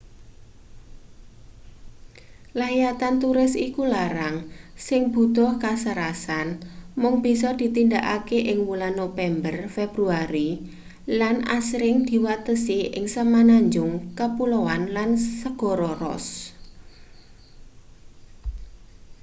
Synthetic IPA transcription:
lajat̪ant̪uɾɪsikulaɾaŋsɪŋb̥ṳt̪ɔhkasəɾasanmʊŋb̥i̤sɔd̪̥i̤t̪ind̪aʔakeʔɪŋwulanːopɛmbərfeb̥ɾuaɾi | lana̰sɾɪŋd̪̥i̤wat̪əsiʔɪ̰ŋsəmanaɲd͡ʒʊŋkəpulowanlansəɡ̥ɔ̤ɾɔrɔ̰s

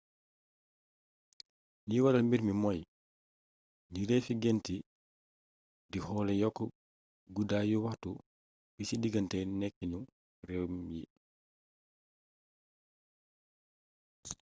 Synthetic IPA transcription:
niwalɐlmbiɾmimɔj | niɾɛfiɡɛnti | ddihɔːlɛjɔkːɔ | ɡudajuwaxtu | bisidiɡɐntɛnɛkːiɲu | rɛwmjḭ

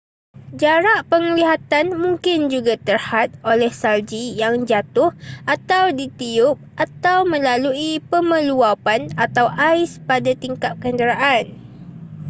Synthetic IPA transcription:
d͡ʒaɾaʔpəŋliɦat̪anmũŋkɪnd͡ʒuɡat̪ərhat̪̚ʔolɛhsald͡ʒijaŋd͡ʒat̪ʊhʔat̪awdit̪iʊp̚ʔat̪awmə̃laluipəmə̃luapanat̪awʔajspadat̪iŋkap̚kəndəɾaʔan

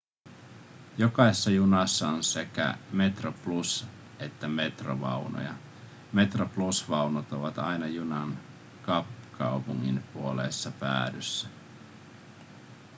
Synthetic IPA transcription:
jo̞kɑisesːɑjunɑsːɑonse̞kæ̰me̞t̪roplus | e̞t̪ːæme̞t̪ro̰ʋɑ̰wno̰jɑ | me̞t̪roplusʋɑunot̪oʋɑt̪ɑjnɑjunɑn | kɑpːkʰɑupuŋːḭnpuolesːɑpæ̰ːdysːæ

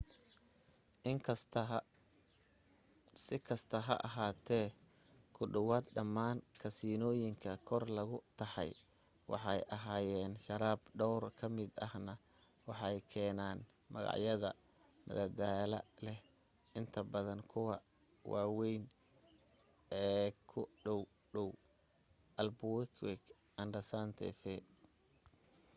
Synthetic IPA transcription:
ɪŋkʰɐst̪ʰɐ | sɪkʰɐst̪ʰɐɦɐ̰ʔɑɦaːt̪ʰɛː | kʰʊɖɐwaːd̪ɖɐmːaːnkʰɐsiːnɔːjɪŋkʰɐkʰɔrlɐɣʊt̪ʰɐħɑ̰j | wɑ̰ħɑjʔɐɦaːjɛːnʃɐɾaːbɖɔwrkʰɐmɪd̪ɐhnɐ | wɑħɑjkʰɛːnaːn | mɐ̰ɣɑ̰ʕjɐðɐ | mɐ̰ðɐd̪aːlɐ̰lɛh | ʔɪnt̪ʰɐbɐðɐnkʰʊwɑ | wɑːwɛjn | ɛːkʰʊɖɔw | ɖɔw | ʔɐlbʊwɛkʰwɛk | ʔɐndɐsant̪ʰɛ̰fɛ

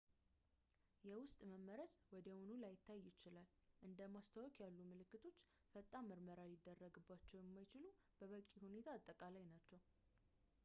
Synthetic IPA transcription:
jɛwʊst̪ʼməmːəɾəswɔd̪əwunulajɪt̪ʰːajːɪt͡ʃɪlalʔɨnd̪əmast̪ʰawɔkʰʼjalːumɨlɨkːɨt̪ʰo̞t͡ʃː | fət̪ʼːaməɾməɾalɪd̪ːərːəɡɨbːat͡ʃːɛwjɛmːajt͡ʃɪlu | b̥əβəkʼːihune̞t̪ʰaːt̪ʼːəkʼalajnat͡ʃːɛw

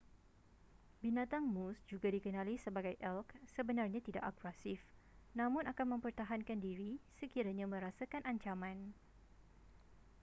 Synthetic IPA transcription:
binãt̪aŋmusd͡ʒuɡadikənãlisəbaɡajʔɛlksəbənarɲãt̪ida̰ʔakuɾasif | nãmʊ̃nakanmə̃mpərt̪aɦankandiɾisəkiɾaɲãmə̃ɾasakanʔaɲt͡ʃamãn

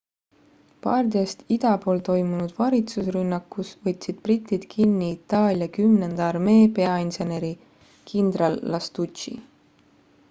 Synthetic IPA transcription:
pɑːrd̪eːst̪id̪̥ɑpo̞ːlt̪o̞jmunud̪̥vɑɾit̪susrynːɑkːˑusvɤt̪ʲːsid̪̥̚prit̪ʲːˑid̪̥kʰinːiːt̪ːˑɑːlʲjɑkymnend̪̥ɑɑrme̞ːpe̞ɑinse̞ne̞ɾi | kʰind̪̥ɾɑlːɑst̪utt͡ʃḭ

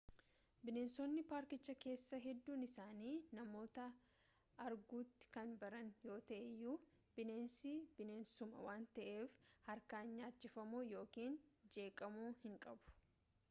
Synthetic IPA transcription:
bɪneːnsɔnːɪpaːɾkɪt͡ʃːɐke̞ːsːɐɦɛd̪ːuːnɪsaːniːnɐmo̞ːt̪ɐ | ɐɾɡuːt̪ːɪ̥kɐnbɐɾɐnjo̞ːt̪ɐʔɛjuː | b̥ɪne̞ːnsibɪne̞ːnsʊmɐ̰waːnt̪ɐʔe̞ːfhɐɾkaːɲɲaːt͡ʃːɪfɐmuːjo̞ːkiːnd͡ʒe̞ːkʼɐmuːhɪŋkʼɐbʊ̥

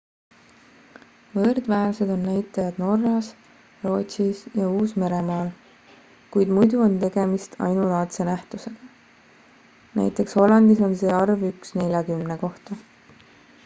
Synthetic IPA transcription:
vɤɾd̪̥væːɾse̞d̪o̞nːæjt̪ˑːɑjɑd̪̥no̞rːɑs | ro̞ːt̪ʲsisjɑuːsme̞ɾe̞mɑːl | kujd̪mujd̪uo̞nt̪e̞ɡ̥e̞mist̪ʰɑ̰jnulɑːt̪se̞næht̪use̞ɡ̥ɑ | næ̰jt̪ːˑe̞ksho̞lɑnd̪̥iso̞nse̞ːɑrvyksne̞lʲjɑkymne̞ko̞ht̪ɑ

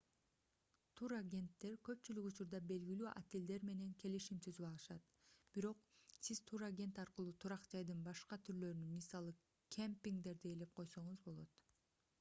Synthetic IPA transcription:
t̪ʰuɾaɡʲe̞nt̪ːe̞ɾkø̞pt͡ʃylykut͡ʃuɾd̪ɑbe̞lɡilyːʔa̰t̪eld̪e̞ɾme̞ne̞ŋkʰe̞liʃimt̪ʰyzyβɑlˠɯʃɑt̪ | b̥iɾo̞qsiz̥t̪ʰuɾaɡʲe̞nt̪ɑɾqɯlˠuːt̪ʰuɾɑqd͡ʒɑjd̪ɯnbɑʃqɑt̪ʰyɾlø̞ɾynynmisɑlˠɯ | kʰʲempʲiŋɡd̪e̞ɾd̪ejele̞p̚qʰo̞jso̞ɴuzbo̞lˠo̞t̪

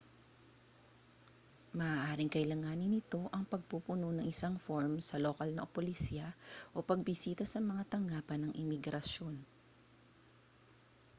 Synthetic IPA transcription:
mɐʔaːʔaːɾɪŋkɐʔɪlaŋanɪnɪt̪o̞ʔɐŋpɐɡ̚pupʊnonɐŋɪsaŋfoɹmsɐlokɐlnɐʔopolɪsiɐʔo̞pɐɡ̚bɪsiːt̪ɐsɐmɐŋat̪ɐŋɡaːpɐnːɐŋʔɪmɪɡɾɐʃo̞n

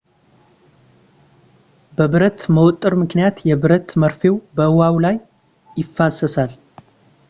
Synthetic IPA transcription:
bəβɨɾət̪məwɔt̪ʼːɨɾmɨknijat̪jɛβɨɾət̪məɾfe̞wbəɨwawlaj | ɪfːasːəsal

